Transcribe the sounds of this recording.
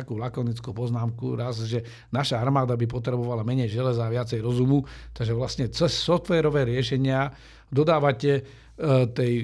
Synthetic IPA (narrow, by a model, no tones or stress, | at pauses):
akuːlakɔnit͡skuːpɔznaːmkṵɾazʒɛ | naʃaaɾmaːd̪abipɔt̪ɾɛbɔʋalamɛɲɛjʒɛlɛzaːʋɪat͡sɛjɾɔzumut̪aɡʒɛʋlasɲɛt͡sɛsːɔft̪ʋɛːɾɔʋɛːɾɪɛʃɛɲɪa | d̪ɔd̪aːʋacɛ | t̪ɛj